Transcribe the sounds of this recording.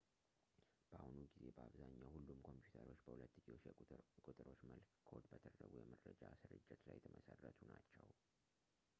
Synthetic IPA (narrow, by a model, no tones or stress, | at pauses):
b̥əahunuɡize̞bəaβzaɲːawhulːumkʰo̞mpjut̪ʰəɾo̞t͡ʃːbəhulət̪ːɨd͡ʒokʼut̪ʼɨɾo̞t͡ʃːəlkʰo̞d̪bət̪ʰəd̪ɾəɡujɛməɾːəd͡ʒasɨɾɨd͡ʒːɛt̪lajɛt̪ʰəmʔəsərːət̪ʰunat͡ʃːɛw